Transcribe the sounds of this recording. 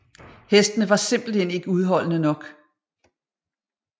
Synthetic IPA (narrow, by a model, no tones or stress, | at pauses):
hesd̥ənəʋɑ̈se̝m̰b̥l̩hen̰e̝ɡ̥əuð̞ˠɦɒ̽l̰nənɒ̽ɡ̥